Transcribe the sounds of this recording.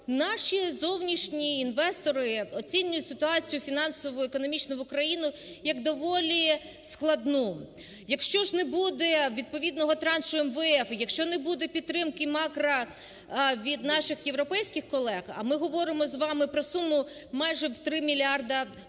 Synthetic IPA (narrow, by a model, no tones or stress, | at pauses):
nɑʃizɔwnʲiʃnʲiːnʋɛst̪ɔɾɪɔt͡sʲinʲːʊjʊtʲsɪt̪ʊɑt͡sʲijʊfʲinɑnsɔʋɔekɔnɔmʲit͡ʃnʊʋʊkɾɐjinʊ | jɐɡd̪ɔʋɔlʲi | sklˠɐd̪nɔ | jɐkʃt͡ʃɔʒnɛbud̪ɛʋʲid̪̚pɔʋʲid̪nɔɦɔt̪ɾɑnʃʊɛmʋɛɛfjɐkʃt͡ʃɔnɛbud̪ɛpʲit̪ːɾɪmkɪmɑkɾɐ | ʋʲid̪nɑʃɪxjewɾɔpɛjsʲkɪxkɔlˠɛxɐ̰mɪɦɔʋɔɾɪmɔzʋɑmɪpɾɔsumʊmɑjʒɛwt̪ɾɪmʲilʲɑrd̪ɐ